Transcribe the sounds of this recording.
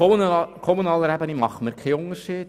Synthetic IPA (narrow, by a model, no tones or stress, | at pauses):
ukʰɔmunɑːləɾæbənimɑχəməɾkʰɛʊŋəʃiːd̥